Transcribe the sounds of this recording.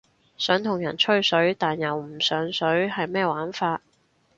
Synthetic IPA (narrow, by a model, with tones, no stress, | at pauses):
sœː˨˥ŋt̪ʰʊ˨˩ŋjɐ˨˩nt͡ʃʰɵ˥ɥsɵ˨˥ɥt̪aː˨njɐ˨wm̩˨˩sœː˨˥ŋsɵ˨˥ɥhɐ˨jmɛː˥waː˨˥nfaː˧t̚